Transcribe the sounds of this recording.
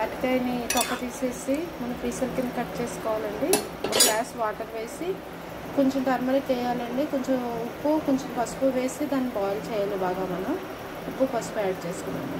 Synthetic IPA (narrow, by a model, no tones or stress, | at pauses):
ɐkʈɐjnit̪ɔkːɐt̪iːseːsimunːupɾiːsɐlkinkɐʈːt͡ʃe̞ːsu̥kɔːʋaːlɐɳɖi | mɐɡlaːsʋaːʈɐɾʋe̞ːsi | koɲt͡ʃomʈɐɾmɐɾɐt͡ʃɛːjaːlɐɳɖikoɲt͡ʃemupːukoɲt͡ʃompɐspuʋe̞ːsid̪aːnːibaːlut͡ʃɛːjaːlibaːɡaːmɐnɐm | upːupɐspuaːɖ̚t͡ʃeːsu̥kunːa̰ːm